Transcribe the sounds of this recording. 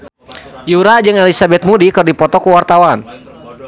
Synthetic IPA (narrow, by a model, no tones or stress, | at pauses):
juɾad͡ʒəŋɛlisabɛt̪̚mudikɨrdipɔt̪ɔkuwart̪awan